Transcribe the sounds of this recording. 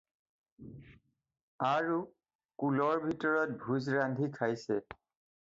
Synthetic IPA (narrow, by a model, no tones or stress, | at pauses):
aɹu | kulɔɹbʱitɔɹɔt̚bʱuzɹandʱikʰajsɛ